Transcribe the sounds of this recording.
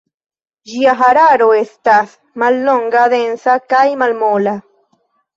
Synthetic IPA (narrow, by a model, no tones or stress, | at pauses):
ʒiaxaɾaɾoest̪as | malnoŋɡaðensakajmalmola